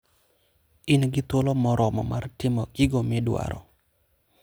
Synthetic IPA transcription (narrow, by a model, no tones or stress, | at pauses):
ɪnɡɪt̪olɔmɔɾʔɔmɔ̰martɪmɔɡiɡomɪdwa̰ɾɔ̰